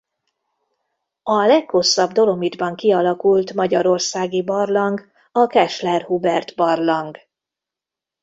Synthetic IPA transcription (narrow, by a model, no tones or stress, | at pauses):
ɒlɛkho̞sːɒbd̪o̞lo̞mid̪bɒŋkiɒlɒkult̪mɒɟɒɾo̞rsaːɡibɒrlɒŋɡ | ɒkɛʃlɛrhubɛrt̪bɒrlɒŋɡ